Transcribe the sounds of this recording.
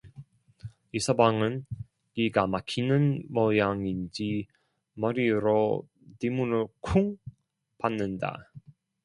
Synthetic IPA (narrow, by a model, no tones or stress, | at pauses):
isʰʌbaŋɯn | kiɡamakʰinɯnmʌjaŋind͡ʑi | mʌɾiɾo | timunɯɭkʰuŋ | panːɯnda̰